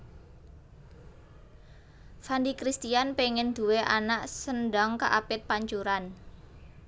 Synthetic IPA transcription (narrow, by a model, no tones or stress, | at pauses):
fandikɾist̪ianpeŋɪnd̪̥ṳweʔanaʔsənɖɔŋkaʔapɪt̪̚paɲt͡ʃuɾan